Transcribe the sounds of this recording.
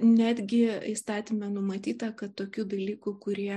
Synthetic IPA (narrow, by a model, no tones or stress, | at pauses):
nʲæːd̪ʲɡʲɪiːst̪ɑːt̪ʲimʲɛnʊmɐt̪ʲiːt̪ɐkɐt̪t̪ːoːkʲuːd̪ɐlʲiːkʊkʊɾʲiɛ